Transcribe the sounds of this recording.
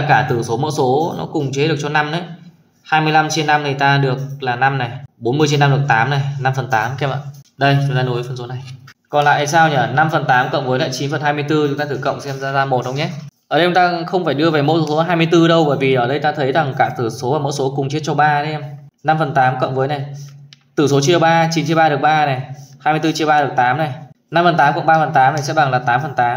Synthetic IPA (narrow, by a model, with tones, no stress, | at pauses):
kaː˧˩t̪ɨ˧˩so˨˦mɔ̰˧˥so˨˦nɔ̰˨˦kʊ˨˩ŋ͡mt͡ɕe˨˦t̚ɗɨ˨˩ək̚t͡ɕɔ˧na˧mʔə˨˦j | haː˧jmɨ˧əjla˧mt͡ɕe˧nːa˧mni˨˩jt̪aː˧ɗɨ˨˩ək̚laː˨˩na˧mna˨˩jɓo˨˦nmɨ˧ət͡ɕe˧nːa˧mɨ˨˩k̚t̪aː˨˦mna˨˩jna˧mfə˨˩nt̪aː˨˦mkɛ˦˥pə̰ː˧˨ɗə˧jt͡ɕʊ˨˦ŋ͡mt̪aː˧no˨˦jfə˧nso˨˦na˨˩jkɔ˨˩nla̰ː˧˨ʔsaː˧wɲəː˧˩na˧mfə˨˩nt̪aː˨˦mkə̰˧˨wŋ͡mvəː˨˦jla̰ː˧˨jt͡ɕi˨˦nfə˨˩nhaː˧jmɨ˧əjt̪ɨ˧t͡ɕʊ˨˦ŋ͡m̪aː˧t̪ɨ˧˩kə̰˧˨wŋ͡msɛ˧mzaː˧zaː˧mo˨˩t̚hə˧wŋ͡mɲɛ˦˥ʔəː˧˩ə˧jt͡ɕʊ˨˦ŋ͡mt̪aː˧xə˧wŋ͡mfaː˧˩jɗɨ˧əveː˨˩mo̰˧˥sso˨˦˧ɦaː˧jmɨ˧əjt̪ɨ˧ɗə˧wɓəː˧˩jvi˨˩ʔəː˧˩ɗə˧jt̪aː˧t̪ʰə˨˦jza˨˩ŋkaː˧˩k̚t̪ɨ˧˩so˨˦aː˨˩mo̰˧˥jso˨˦kʊ˨˩ŋ͡mt͡ɕi˦˥ət̚t͡ɕɔ˧ɓaː˧ə˨˦ɛ˧m | na˧mfə˨˩nt̪aː˨˦mkə̰˧˨wŋ͡mvəː˨˦jna˨˩jt̪ɨ˧˩so˨˦t͡ɕi˧əɓaː˧t͡ɕi˨˦nt͡ɕi˧əɓaː˧ɗɨ˨˩ək̚ɓaː˧na˨˩jhaː˧mɨ˧t̪ɨ˧t͡ɕi˧əɓaː˧ɨ˨˩ə˩k̚t̪aː˨˦mna˨˩jna˧mfə˨˩nt̪aː˨˦mkə̰˧˨ŋ͡mɓaː˧˩fə˨˩nt̪aː˨˦mna˨˩jsɛ̰˧˥ɓa˨˩ŋlaː˨˩t̪aː˨˦mfə˨˩nt̪aː˨˦m